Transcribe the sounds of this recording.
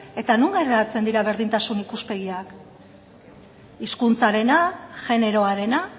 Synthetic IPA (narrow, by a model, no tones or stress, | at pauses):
e̞t̪anuŋɡereat͡se̞nd̪iɾaβe̞ɾð̞int̪asunikuspe̞ɣ̞iak | iskunt͡saɾe̞naʝe̞ne̞ɾo̞aɾe̞na